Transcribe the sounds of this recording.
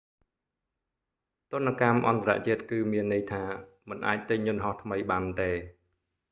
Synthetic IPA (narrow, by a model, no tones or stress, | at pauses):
t̪ʊ̆ənːakamʔɑ̰nt̪ara̰ʔt͡ɕiət̪̚kɨːmiənːɨjt̪ʰaːmɨnʔa̰ːc̚t̪ɨɲːʊ̆nɦɑht̪ʰməjɓaːnt̪eː